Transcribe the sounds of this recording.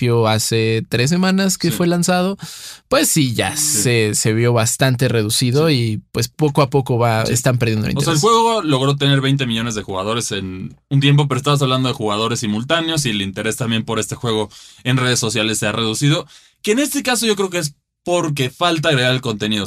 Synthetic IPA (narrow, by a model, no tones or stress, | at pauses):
pjoaset̪ɾes̬emãnaskefwe̞lansað̞o̞pwesːiʝa̰sese̞βjo̞βast̪ant̪̬e̞re̞ðusiðo̞ipwe̞spo̞ko̞apo̞ko̞βaḛst̪ampeɾðjend̪o̰oseaelxwe̞ɣolo̞ɣɾo̞t̪̬e̞ne̞ɾβejnt̪e̞miʝo̞ne̞zðe̞xuɣað̞o̞ɾe̞se̞nunt̪̬je̞mp̬o̞p̬eɾoest̪aβos̬aβland̪o̞ðexuɣað̞o̞ɾesimult̪aneo̞silint̪e̞ɾe̞st̪ambje̞mpo̞ɾe̞st̪e̞xwe̞ɣ̞o̞e̞nre̞ðe̞sːo̞sjale̞sːe̞areðusiðo̞ | keːne̞st̪ekaso̞ʝo̞k̬ɾe̞okees̬ | po̞ɾk̬efalt̪aɣɾeɣaɾelko̞nt̪e̞niðo